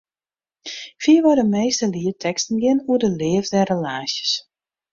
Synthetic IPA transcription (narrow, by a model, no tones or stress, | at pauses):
fiəʋɔdəmejstəliətʰɛkstən̩ɡɪnuədəlɪəvdɛrəlaːsjəs